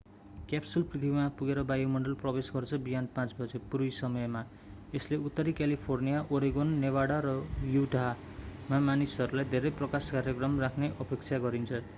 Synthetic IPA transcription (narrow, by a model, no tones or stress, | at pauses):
kapsulprit̪ʰibimapuɡeɾʌbajomʌɳɖʌlprʌbesɡʌrt͡sʰʌbiɦanpãt͡sbʌd͡zepuɾujsʌmʌjma | esleut̪ːʌɾikalipʰornijaʔoɾiɡonːewaɽaɾʌjuʈa | mamanisʌɾulajd̪ʱeɾʌjprʌkaskaɾjʌkrʌmrakʰneʔʌpekt͡sʰaɡʌɾint͡sʰʌ